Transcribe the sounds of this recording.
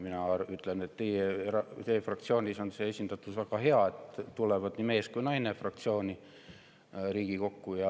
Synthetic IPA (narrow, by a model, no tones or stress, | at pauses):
minɑyt̪le̞net̪ːejerɑt̪ejfrɑk̚t̪sio̞ːnʲiso̞nse̞esʲind̪̥ɑt̪ːˑud̥̪væɡ̥ɑɦe̞ɑe̞t̪t̪ulevɑd̪̥nime̞ːskujnɑjnefrɑkt̪sio̞ːnʲi | ɾiːɡ̥iko̞kːujɑ